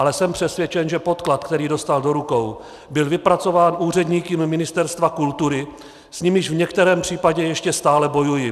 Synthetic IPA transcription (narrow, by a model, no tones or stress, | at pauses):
alɛsɛmpr̥ɛsvjɛt͡ʃɛnʒɛpo̞t̪klat̪kt̪ɛɾiːdo̞st̪aldo̞ɾuko̞w | bɪlvɪpɾat͡so̞vaːnuːr̝ɛdɲiːkɪmːɪnɪst̪ɛɾst̪vakult̪uɾɪ | sɲɪmɪʃvɲɛkt̪ɛɾɛːmpr̝̥iːpaɟɛjɛʃcɛst̪aːlɛbo̞jujɪ